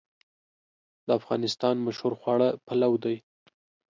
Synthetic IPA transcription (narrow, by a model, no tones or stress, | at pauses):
d̪̥əafɣɑ̰nɪst̪ɑnmaʃhoɾxwɑɽəpalawd̪aj